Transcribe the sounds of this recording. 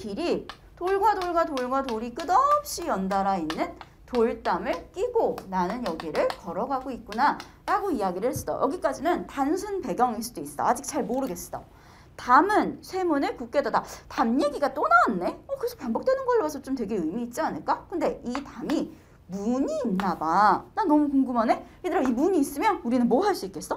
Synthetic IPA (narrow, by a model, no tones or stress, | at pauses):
piɾi | toɭɡwadoɭɡwatoɭɡwatoɾik͈ɯdʌp̚ɕ͈ijʌndaɾainːɯn | toɭt͈amɯɭk͈iɡonanɯnjʌɡiɾɯɭkʌɾʌɡaɡoit̚k͈una | ɾaɡoiaɡiɾɯɭhɦes͈ɯ̥dʌ̰jʌɡik͈ad͡ʑinɯntansʰunpe̞ɡjʌŋeɭs͈udois͈ɯd͈a̰ːd͡ʑik̚t͡ɕ͈aɭmoɾɯɡe̞s͈ɯ̥d͈ʌ̰ | tamɯnsʰe̞munɯɭkuk͈edadatamje̞ɡiɡat͈onaanːe̞ʌkɯɾesʰo̥paŋbʌk̚t͈we̞nɯnɡʌɭːwasʰʌt͡ɕomtwe̞ɡe̞ɯmiːt̚t͡ɕ͈ianɯɭk͈akɯnde̞itami | muɲiːnːabananʌmukoŋɡɯmane̞ | edɯɾʌimuɲiːs͈ɯmjʌnuɾinɯnmoɦaɭs͈uik͈e̞s͈ʌ